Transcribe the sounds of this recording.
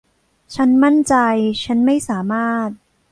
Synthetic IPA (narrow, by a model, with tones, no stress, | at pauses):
t͡ɕʰa˦˥nma˥˩nt͡ɕa˧jt͡ɕʰa˦˥nma˥˩jsaː˩˦maː˥˩t̪̚